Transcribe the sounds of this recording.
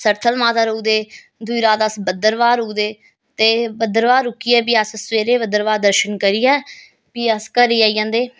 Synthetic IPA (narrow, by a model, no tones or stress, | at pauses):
səɾt̪ʰəlmaːt̪aːɾouːd̪eː | d̪ʊiːɾaːt̪əsbəd̪əɾʋaːɾuːd̪eː | t̪eːbəd̪əɾʋaːɾʊkːiːɛːp̬iːəssʋeːɾeːbəd̪əɾʋaːɾd̪əɾʃənkəɾiːɛː | piːəskəɾiːaːijãːnd̪eː